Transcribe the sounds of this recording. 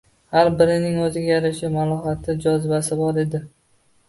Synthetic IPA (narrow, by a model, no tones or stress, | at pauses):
haɾbɪɾɪnɪŋɵzɪɡʲajaɾɪʃɪmalˠɒhat̪ʰɪd͡ʒɒzɪbasɪbɒɾe̞d̪ɪ